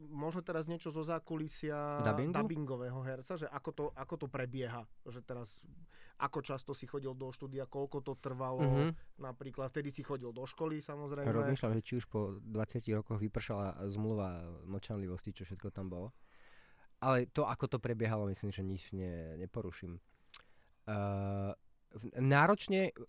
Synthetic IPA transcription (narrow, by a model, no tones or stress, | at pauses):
mɔʒnɔt̪ɛɾazɲɪɛt͡ʃɔzɔzaːkulisɪad̪abiŋɡd̪aubiŋɡɔʋɛːɦɔɦɛɾt͡saʒɛʔakɔt̪ɔʔakɔt̪ɔpɾɛbɪɛɦaʒɛt̪ɛɾas | ʔakɔt͡ʃast̪ɔsixɔɟild̪ɔʃt̪uːd̪ijakɔlkɔt̪ɔt̪r̩ʋalɔnapɾiːklad̪ft̪ɛd̪isixɔɟild̪ɔʃkɔlisamɔzɾɛjmɾɔɛmiʃlamʒɛt͡ʃiuʃpɔd̪ʋat͡sɪaciɣɾɔkɔɣʋipr̩ʃalazmluʋanɔt͡ʃanliʋɔscit͡ʃɔfʃɛt̪kɔt̪ambɔlɔ | ʔalɛt̪ɔʔakɔt̪ɔpɾɛbɪɛɦalɔmislimʒɛɲit͡ʃɲɛɲɛpɔɾuʃim | naːɾɔt͡ʃɲɛ